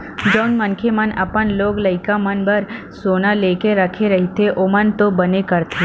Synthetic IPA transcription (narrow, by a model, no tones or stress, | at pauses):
d͡ʒɔːnmənkʰemənəpənloːɡləɪkamənbəɾ | soːnaleːkeɾəkʰeɾəɦit̪ʰeʔoːmənt̪obənekəɾt̪ʰe